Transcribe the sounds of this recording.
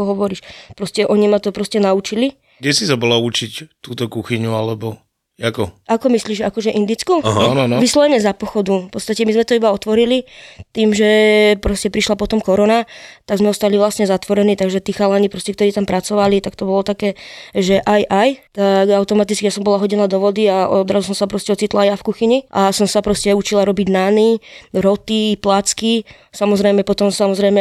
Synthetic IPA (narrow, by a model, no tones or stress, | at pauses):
kɔɦɔʋɔɾiːʃpɾɔscɛʔɔɲimat̪ɔpɾɔscɛnaut͡ʃili | ɡɟɛsisabɔlaut͡ʃict̪uːt̪ɔkuxiɲualɛbɔ | jakɔʔakɔmisliːʒakɔʒɛʔind̪it͡skuɦnʋislɔʋɛɲɛzapɔxɔd̪ufpɔtt͡st̪acɛmizmɛt̪ɔibaɔt̪ʋɔɾilit̪iːmʒɛpɾɔscɛpɾiʃlapɔt̪ɔmkɔɾɔnat̪aɡzmɛɔst̪aliʋlasɲɛzat̪ʋɔɾɛniːt̪aɡʒɛt̪iːxalanipɾɔscɛk̚t̪ɔɾiːt̪ampɾʔat͡sɔʋalit̪akt̪ɔbɔlɔt̪akɛːʒɛʔajʔajt̪aɡaʊt̪ɔmat̪it͡skijasɔmbɔlaɦɔɟinad̪ɔʋɔd̪iaʔɔ̰d̪ɾazus̬ɔmsapɾɔscɛɔt͡sit̪laajafkuxiɲiʔasɔmsapɾɔscɛut͡ʃilaɾɔbiɟnaniɾɔt̪iplat͡ski | samɔzɾɛjmɛpɔt̪ɔmsamɔzɾɛjmɛ